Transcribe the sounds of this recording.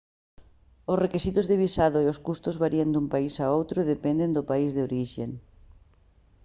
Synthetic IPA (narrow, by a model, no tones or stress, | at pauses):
osrekisit̪ʊzðeβisaðʊeoskust̪ʊzβaɾiend̪umpaisaowt̪ɾʊðepend̪end̪ʊpaizðeoɾiʃḛŋ